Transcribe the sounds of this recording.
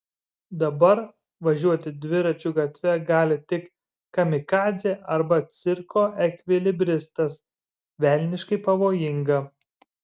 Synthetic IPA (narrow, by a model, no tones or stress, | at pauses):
d̪ɐbɐɾ | ʋɐʒʲuɔt̪ʲɪd̪ʲʋʲɪɾɐt͡ʃʲuɡɐt̪ʲʋʲɛɡɑːlʲɪt̪ʲɪkː | ɐmʲɪkɑːzʲeːʔɐɾbɐt̪sʲɪɾkoːʔɛkʲʋʲɪlʲɪbʲɾʲɪst̪ɐs | ʋʲɛˑlʲnʲɪʃkɐɪpɐʋoːjɪŋɡɐ